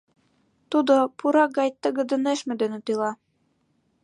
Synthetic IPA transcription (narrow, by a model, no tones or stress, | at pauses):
t̪ud̪ŏpʰuɾɑɡɑjt̪ə̆ɡɘ̆d̪ɘ̆neʃmɘ̆d̪ø̆nĕt̪ɤlɑ